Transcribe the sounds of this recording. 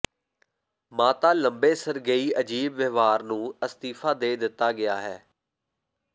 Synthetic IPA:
maːt̪aːləmbeːsəɾɡəiːəd͡ʒiːbʋəʋaːɾnũːəst̪iːfʰaːd̪eːd̪ɪt̪ːaːɡɪaːɦɛː

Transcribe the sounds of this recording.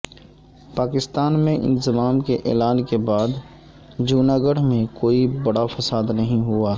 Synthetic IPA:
paːkɪst̪aːnmẽʔɪ̰nzɪmaːmkeʔɛ̰ːlaːnkebaːd̪ | d͡ʒuːnaːɡəɽ̤mẽkoːibɐɽafɐsaːd̪nɐɦĩɦʊaː

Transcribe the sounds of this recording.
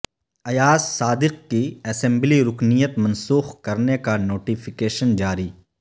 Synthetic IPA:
ɐjaːsːaːd̪ɪq̚kiɛːsɛ̃mbliɾʊknijət̪mɐ̃nsuːxkɐɾnekanoːʈifʰɪkeːʃənd͡ʒaːɾiː

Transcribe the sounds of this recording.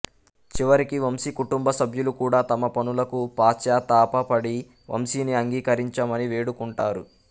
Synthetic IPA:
t͡ʃiʋɐɾikiʋɐmsikuʈumbɐsɐbʱjulukuːɽaːt̪ɐmɐpɐnulɐkupaːt͡ʃjaːt̪aːpɐpɐɽi | ʋʔɐ̰msiːniɐŋɡiːkɐɾiɲt͡ʃɐmɐniʋeːɽukuɳʈaːɾu

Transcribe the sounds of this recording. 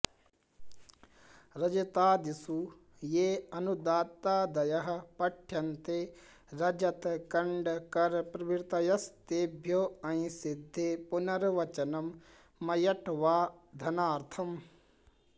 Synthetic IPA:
ɾɐd͡ʒɐt̪aːd̪isu | jeːɐnud̪aːt̪ːaːd̪ɐjɐɦɐ̆pɐʈʰːjɐnt̪e | ɾɐd͡ʒɐt̪kɐɳɖkɐɾpɾɐbiɾt̪ɐjɐst̪ebʱjoːɐ̃ĩsid̪ʱːepunɐɾʋɐt͡ʃɐnɐmː | ɐjɐʈʋaːd̪ʱɐnaːɾt̪ʰɐm

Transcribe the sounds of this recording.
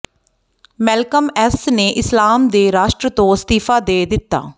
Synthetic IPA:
mɛːlkəmɛsneːʔɪslaːmd̪eːɾaːʃʈɾət̪õːst̪iːfʰaːd̪eːd̪ɪt̪ːa̰ː

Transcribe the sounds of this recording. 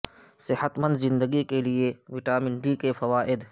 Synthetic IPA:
sɪhət̪mə̃nd̪zɪ̃nd̪əɡikelieʋɪʈaːmɪ̃ɳɖikefʰɐʋaːʔɪd̪

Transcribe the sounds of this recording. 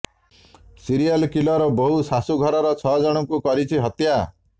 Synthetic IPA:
siɾijalkilɔɾɔboɦusasuɡʱɔɾɔɾɔt͡ʃʰɔd͡ʒɔɽ̃ɔkukɔɾit͡ʃʰiɦɔt̪ja

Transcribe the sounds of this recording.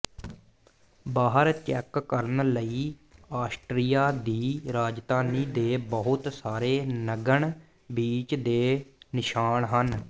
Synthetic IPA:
baːɦəɾt͡ʃɛːkːəɾənləiːaːsʈɾijaːd̪iːɾaːd͡ʒd̪aːniːd̪eːbəɦʊt̪saːɾeːnəɡəɳ | biːt͡ʃd̪eːnɪʃaːɳɦən

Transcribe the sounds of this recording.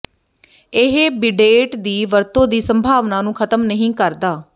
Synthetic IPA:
ɪɦebɪɖeːʈd̪iːʋəɾt̪õːd̪iːsəmbʱaːʋnãːnũːkʰət̪əmnəɦĩːkəɾd̪aː

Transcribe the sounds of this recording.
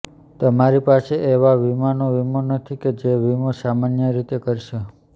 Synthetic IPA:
t̪əmaɾipaseʔeʋaʋimanoʋimonət̪ʰiked͡ʒeʋimosamanjəɾit̪ekəɾʃe

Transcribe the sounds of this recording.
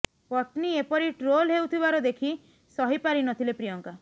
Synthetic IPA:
pɔʈniepɔɾiʈɾolɦewt̪ʰibaɾɔd̪ekʰi | sɔɦipaɾinɔt̪ʰilepɾijɔŋka

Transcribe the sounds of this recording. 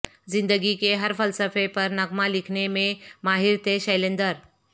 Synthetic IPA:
d͡zind̪əɡikeɦəɾfəlsəfepəɾnəɡmalikʰnemẽmaɦiɾt̪eɕəjlẽnd̪əɾ

